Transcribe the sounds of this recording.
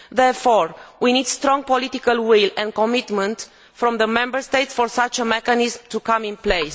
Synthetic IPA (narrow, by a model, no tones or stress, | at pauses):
ðɛɹfɔɹwinid̪st̪ɾɔ̃ŋɡ̚polit̪ikəlwilɛ̃nd̪̚kɔmit̪mə̃nt̪ | fɾɔ̃mðəmɛ̃mbəɹst̪ejt̪sfɔɹsat͡ʃəmɛkanizmt̪ukãmĩnplejs